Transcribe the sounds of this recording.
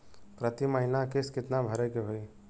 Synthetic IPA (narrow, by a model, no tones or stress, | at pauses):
pɾət̪iməɦinakeskɪt̪nabʱəɾekeɦoi